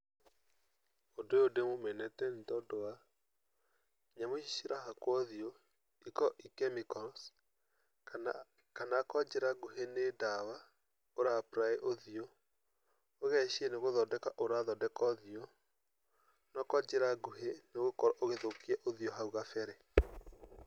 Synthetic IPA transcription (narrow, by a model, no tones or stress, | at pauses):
ondojodemomɛnɛtɛntɔdɔwa | ɲamoʃiʃiɾaɦakwɔðio | ikɔʔikɛmikɔɾɔs | kanakɔd͡ʒɾaɡoɦenedawa | oɾapɾaeʔoðio | oɣɛʃiɛneɣoðɔdɛkaʔoɾaðɔdɛkɔðio | nɔkɔd͡ʒɛɾaɡoɦeneɣokɔɾaʔoɣeðokiɛʔoðioɦauɣafɛɾɛ